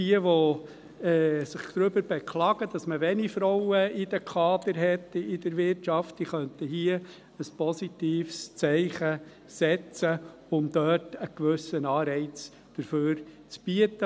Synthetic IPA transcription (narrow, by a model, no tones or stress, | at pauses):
iəʋɔ | ɛːsɪχd̪̥ɾʏbəɾb̥ɛkʰlɑːɡəd̥ɑsməʋɛnifɾɔwəɪd̥̪əkʰɑːd̪əɾɦɛtɪdəɾʋɪɾtʃɑftiχœnt̪əhiə | əspɔsitiːfst͡sɛɪχə | sɛt͡sə | ʊmd̪œtəkʋɵsənɑːɾɛɪt͡s | d̥əɾføːɾt͡sb̥iətːə